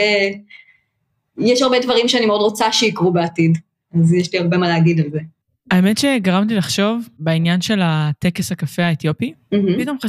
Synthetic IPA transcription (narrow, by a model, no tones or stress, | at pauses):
jɛʃaʁbedvaʁimʃeanimeodʁot͡saʃeikʁubeatid | azjɛʃliaʁbemaleaɡidalze | aemetʃe̞ɡaʁamt̬ilaχʃo̞vbeinjanʃe̞latekeshakafeaet̪jopim̩ɦ̩pit̪o̞mχa